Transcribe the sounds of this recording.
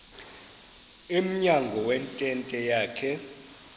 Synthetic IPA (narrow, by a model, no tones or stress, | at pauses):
im̩ɲaŋɡʱɔwɛntʼɛntʼɛjaːkʰɛ